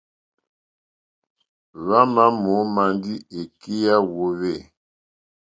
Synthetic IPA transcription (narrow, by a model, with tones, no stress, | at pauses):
βa˦ma˦mo˨˦ma˨ndi˦e˨ki˦ja˦wo˨βe˦˨